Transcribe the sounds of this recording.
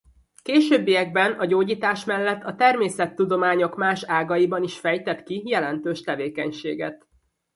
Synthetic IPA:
keːʃøːbːijɛɡ̚bɛnɒɟoːɟiːt̪aːʃmɛlːɛt̪ːɒt̪ɛrmeːsɛt̪ːud̪o̞maːɲo̞kmaːʃaːɡɒjibɒniʃfɛjt̪ɛt̪kijɛlɛnt̪øːʃt̪ɛveːkɛɲʃḛːɡɛt̪

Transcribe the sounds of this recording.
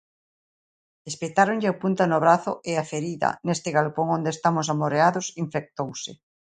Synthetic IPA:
espet̪aɾoɲʎɪapunt̪anʊβɾaθʊʔeafeɾiðɐ̰nest̪ɪɣalpoŋõnd̪est̪amʊsamoɾeaðosiɱfek̚t̪owsɪ̰

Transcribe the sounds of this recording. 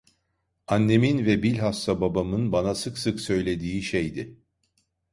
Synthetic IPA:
anːe̞minvɛbilʲɦast̪ababamɯnbanasɯksɯksø̞jlʲe̞d̪iːʃejd̪ɪ

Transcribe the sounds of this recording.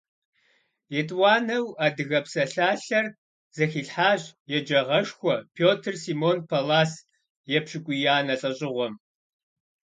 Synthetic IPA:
jɛtʼwaːnɐwaːdɨɣɐpsɐɬaːɬɐr | z̥ɐxiːɬħaːɕʼjɛd͡ʒɐʁɐʃxʷɔpʰoːtʰɨrsiːmoːnpʰɐlaːs | jɛpɕɪkʷʼʊjaːnɐɬʼɐɕʼɪʁʷɔm

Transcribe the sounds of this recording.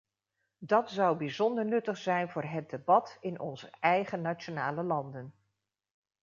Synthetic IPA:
dɑtsɑwbizɔndəɹnɵtəχsɛjnvʊːɹɦət̚debɑtɪnɔ̰nzəʔɛjχənat͡ʃonaːləlɑndən

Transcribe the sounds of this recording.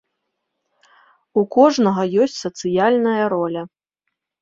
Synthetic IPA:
ukɔʐnɐɣɐjɔsʲt͡sʲsɐt̪sɨjalʲnɐjɐɾɔlʲɐ

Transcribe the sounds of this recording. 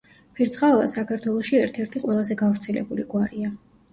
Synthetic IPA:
pʰiɾt̪sʼχʼava̰sakʰaɾt̪ʰwɛlˠɔʃiɛɾt̪ʰɛɾt̪ʰiqʼwɛlˠazɛɡavɾt̪sʰɛlɛ̰buliɡwaɾia

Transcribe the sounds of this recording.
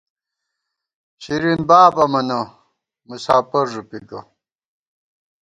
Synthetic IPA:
ɕiɾinbaːbɐmɐnɐ | musaːpɐɾʐupiɡɐ̰

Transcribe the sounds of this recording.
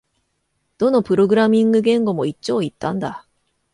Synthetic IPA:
d̥̪onopɯɾoɡɯɾamiŋɡɯɡeɯŋɡomoit͡ɕ͈oit͈anda

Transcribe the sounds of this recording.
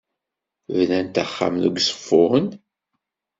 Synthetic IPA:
vnænt̪əχːa̰mðuɡsˤfːʊʁən

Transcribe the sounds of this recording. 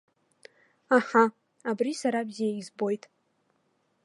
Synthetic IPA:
aħa | abrisaɾabzijaizbo̞jtʼ

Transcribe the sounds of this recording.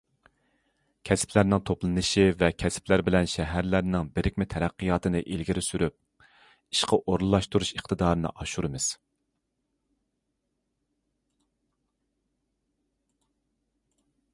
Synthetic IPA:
kʲʰɛspʰlæɾnɪŋt̪ʰoplˠɨnɨʃivɛkʲʰɛsplæɾbɪlɛnʃɛɦæɾlæɾnɪŋbɪɾʔɪk̚ʲmɪt̪ʰɛɾæqːijɑːt̪ɨnɨʔilɡʲiɾɪsyɾʔyp̚ | i̥ʃqɑʔoɾlˠɨlˠɑʃt̪uɾuʃəχt̪ɨd̪ɑːɾɨnɨ̰ʔɑʃuɾɨmɨz̥

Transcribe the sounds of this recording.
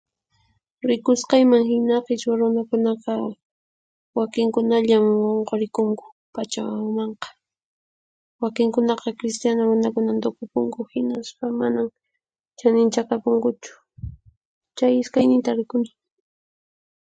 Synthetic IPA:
ɾɪkʊsqɑjmaŋhɪnɑqɪt͡ʃwaɾʊnakʊnɑqɑ | wakɪŋkʊnaʎamwoɴqoɾɪkʊŋkʊ̥ | pat͡ʃamɑɴqɑ̥ | wakɪŋkʊnɑqɑkɾɪst̪janaɾʊnakʊnant̪ʊkʊpʊŋkʊhɪnaspamanam | t͡ʃanɪnt͡ʃakapʊŋkʊt͡ʃʊ̥ | t͡ʃajɪskajnɪnt̪aɾɪkʊnɪ̥

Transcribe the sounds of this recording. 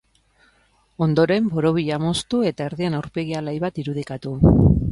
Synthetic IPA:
o̞nd̪o̞ɾe̞mbo̞ɾo̞β̞iʎamo̞st̪ue̞t̪ae̞ɾðienawɾpe̞ɣialajβat̪iɾuð̞ikat̪u

